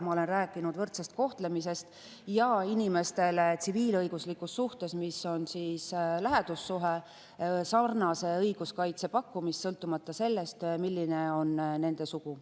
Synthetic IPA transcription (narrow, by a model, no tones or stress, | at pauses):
mɑo̞le̞nræːkːˑinud̪̥vɤrt̪sest̪̚ko̞ht̪le̞mis̬e̞st̪ | jɑinʲime̞st̪e̞lt̪siviːlɤjɡ̥uslikːusːuht̪e̞smiso̞nsiːslæɦɛd̪̥usːuɦe | sɑrnɑse̞ɤjɡ̥uskɑjt̪se̞pɑkːumist̪ːsɤlt̪ːˑumɑt̪ːˑɑse̞lːe̞st̪milːine̞o̞nne̞nd̪e̞suku